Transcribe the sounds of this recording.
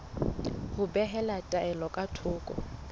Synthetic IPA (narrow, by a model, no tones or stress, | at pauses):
hʊbɛɦɛlatʼaɛlɔkʼatʰʊːkʼɔ̰